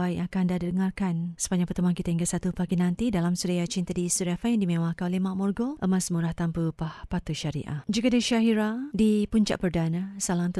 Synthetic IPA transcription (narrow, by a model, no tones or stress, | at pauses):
aiʔakandaddəŋarkansə̥baɲd͡ʒaŋpərt̪əmankit̪aiŋɡasat̪upaɡinãnt̪idalamsuɾajat͡ʃint̪adisuɾafajadimẽwahkanolehmaʔmɔrɡɔʔəmasmuɾaht̪ampəpahpat̪uʃaɾḭʔa̰d͡ʒuɡadəʃaɦiɾadipuɲt͡ʃa̰ʔpərdanasalaŋt̪